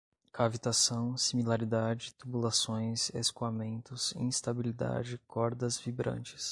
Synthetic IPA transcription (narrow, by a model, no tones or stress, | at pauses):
kavit̪asɐ̃w̃similaɾid̪ad͡ʒɪt̪ubulasõj̃sḛskuamẽnt̪ʊsḭ̃st̪abilid̪a̰d͡ʒɪkɔɾd̪ɐzvibɾɐ̰̃nt͡ʃɪ̥s